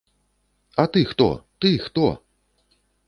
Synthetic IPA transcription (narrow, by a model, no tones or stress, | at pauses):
ɐt̪ɨxt̪ɔ̰t̪ɨxt̪ɔ̰